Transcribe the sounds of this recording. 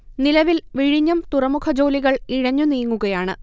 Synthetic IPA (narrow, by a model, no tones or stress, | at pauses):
nilɐʋilʋiɻiɲːɐmt̪urɐmukʰɐd͡ʑo̞ːliɣɐɭiɻɐɲːunijŋːuɣɐjaːɳɨ